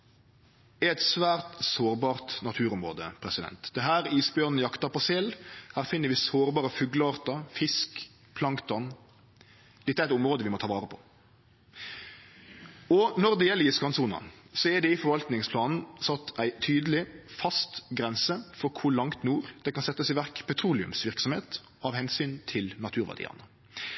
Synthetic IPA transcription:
ɛɛɪt̪sʋæːɾt̪soːɾbɑːʁt̪nɑt̪ʰʉːɾʊmʁo̰ːd̪ə̰pʰɾɛsɪd̪ɛ̰nt̪d̪ɛɦæːɾiːsbjøːʁnəjɑkt̪ɑpɔsɛlhæːɾfɪnːəɾʋɪsoːɾbɑːɾəfʉːɡləɑːɾt̪ɑfɪsk | pʰlɑŋt̪ɑn | d̪̥ɛt̪ːəæɪt̪ʊmɾoːd̪əʋɪmɔt̪ʰɑːʋɑːɾəpʰɔ̥ | ɔnɔɾd̪ɛjɛlːəəskɑnsuːnɑ̰sɔɛd̪ɛɪfɔɾʋɑlt̪nɪŋspʰlɑːnn̩sɑt̪ːæɪt̪ʰyːd̪əlɪfɑst̪ɡɾɛnsəfɔɾkʰʊlɑŋt̪nuːɾd̪̥ɛkɑnsɛt̪ːəsɪʋæʁkpʰɛt̪ʰɾuːlɪʉ̰msʋɪʁksɔmheːt̪ | ɑʋhɛnsyːnt̪ʰɪlnɑt̪ʰʉːɾʋæ̰d̪ḭːɑ̰nə

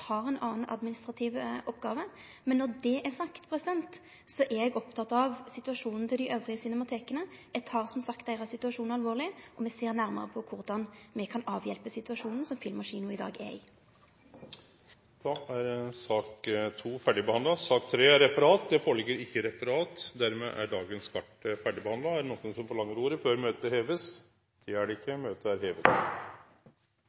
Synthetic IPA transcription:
hɑːʁɛnʔɑːn̩ɑ̰d̪mɪnɪst̪ʁɑt̪ʰɪʋʔɔpːɡɑːʋə | mɛnːɔʁd̪ɛʔæsɑkt̪pʰɾɛsɪd̪ɛnt̪ | sɔʔɛɛɡɔpt̪ʰɑt̪ɑʋsɪt̪ʉɑʂuːnn̩t̪ʰɪld̪æɪʔøːʋʁɪəsɪnɛmɑt̪ʰeːkənəɛt̪hɑʁsɔmsɑkt̪d̪æɪʁɑsɪt̪ʉɑʂuːnɑlʋoːʁlɪʔɔmɛseːɾnæɾmə̰ɾəpʰɔkʰʊɾd̪ɑnmɛkʰɑnɑːʋjɛlpəsɪt̪ʉɑʂuːnn̩sɔmfɪlmːɑʂiːnʊɪd̪ɑ̰ːɡɛ̰ɪ̰ | d̪̥ɑæɾsɑːkt̪ʰuːfæɖɪbɛhɑnd̪ɑsɑːk̚t̪ʰɾeːæɾɛfəɾɑːt̪̚d̪ɛfoːɭɪɡːəɾɪkːəɾɛfəɾɑːt̪d̪æɾmɛ̰ʔæ̰ɖɑːɡənskʰɑʈəfæɖɪbəhɑnd̪lɑæɾnɔk̪ːənsɔmfɔɭɑŋːəɾuːɾəføːɾmøːt̪əheːʋəs | d̪̥ɛæɖɛɪkːəmøːt̪əæɾheːʋət̪

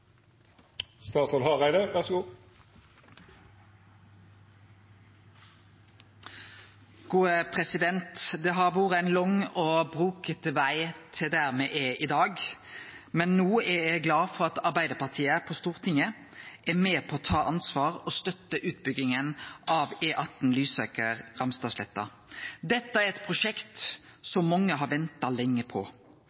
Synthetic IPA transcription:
st̪ɑːt̪sɔlhɑʁæɪd̪əʋæʁsɡuː | ɡ̥uːəpʰʁɛsɪd̪ɛnt̪d̪ɛːɦɑʁʋuːʁəæɪnlɔŋoːbʁuːkət̪əʋæɪt̪ʰɪld̪æʁmɛʔɛʔɪd̪ɑːɡ | mɛnːoːɛjæɡlɑːfɔɾɑt̪ɑɾbæɪd̪əpʰɑʁt̪ʰiːəpʰɔst̪uːɾt̪ʰɪŋə | ʔɛɾmeːpʰɔːt̪ʰɑːʔɑnsʋɑːʁɔst̪œt̪ːəʔʉːt̪̚bʏɡɪŋənʔɑʋɛːʔɑt̪n̩lyːsɑ̰ːkəɾɾɑmst̪ɑːslɛt̪ːɑ̰ | d̪ɛt̪ːəæɾɛt̪pʰɾʊʂɛkt̪sɔmːɔŋːəɦɑɾʋɛnt̪ɑlɛŋːəpʰɔ̰

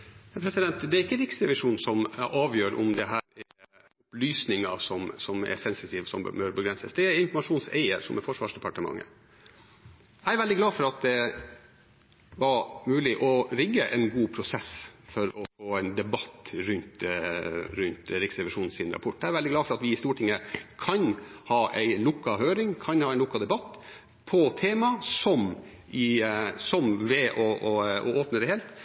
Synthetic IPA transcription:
hpʰɾɛsɪd̪ɛnt̪d̪ɛæɾɪkːəɾɪksɾɛʋɪʂuːnsɔmʔɑːʋjøːɾʔɔ̰md̪ɛɦæːɾɛɾ | ʊplyːsnɪŋɑsɔmsɔmɛ̰sɛnsɪt̪ʰiːʋsɔmbbøːɾɔbəɡɾɛnsəsd̪ɛæɾɪnfɔmɑʂuːnsæ̰ɪəɾsɔmɛfɔʂʋɑ̰ːʂd̪ɛpɑʈəmɑ̰ŋːə̰ | æɪɾʋɛld̪ɪɡlɑːfɔɾɑt̪̚d̪ɛ | ʋɑɾmʉːlɪʔɔɾɪɡːəʔɛnɡuːpʰɾʊsɛsfɔɾɔfoːæɪnd̪ɛbɑt̪ːɾʉnt̪ | ɾʉnt̪ɾɪksɾɛʋɪʂuːnn̩sɪnɾɑ̰pʰɔʈːæɪæɾɛld̪ɪɡ̪lɑːfɔɾɑt̪ʋɪɪst̪uːʈʰɪŋːəkʰɑnhɑːʔæɪlʊkːɑhøːɾɪŋkʰɑnhɑːæɪnʊkːɑd̪ɛbɑt̪ː | pʰɔt̪ʰeːmɑsɔm | ʔɪsɔmʋɛʔɔɔ̰oːpnəd̪ɛheːlt̪

